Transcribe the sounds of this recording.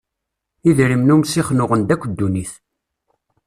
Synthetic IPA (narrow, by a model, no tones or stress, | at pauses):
iðɾimnumsiχnʊʁənd̪ækʷːd̪ːuniθ